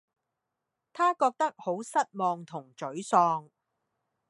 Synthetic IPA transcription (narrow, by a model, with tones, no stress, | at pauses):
t̪ʰaː˥kɔː˧k̚t̪ɐ˥k̚ho˨˥wsɐ˥t̚mɔː˧ŋt̪ʰʊ˨˩ŋt͡ʃɵ˨˥ɥsɔː˧ŋ